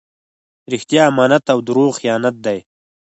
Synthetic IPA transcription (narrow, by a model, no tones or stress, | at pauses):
ɾɪxt̪jaːmaːnat̪awd̪uɾoːχxijaːnat̪̚d̪aj